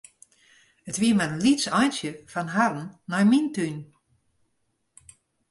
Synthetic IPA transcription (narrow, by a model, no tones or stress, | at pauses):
ətʋiəmarənlitsɔjnsjəfanɦadn̩ːɔjmintyn